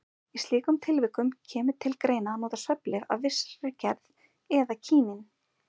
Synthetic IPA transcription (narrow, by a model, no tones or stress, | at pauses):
ist̪liːkʏmt̪ʰɪlvɪkːʏmcʰɛːmʏ̥t̪ʰɪlkɾeːjnanoːt̪asvœplɪɾa̰vvɪsɾɪcɛɾð | ɛðacʰiːnɪn